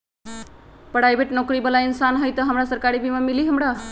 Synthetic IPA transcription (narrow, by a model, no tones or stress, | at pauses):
pəɽajbʱeʈnokɾibəlainsanɦəjt̪ʌɦəmɾasəɾkaɾibimamiliɦəmɽa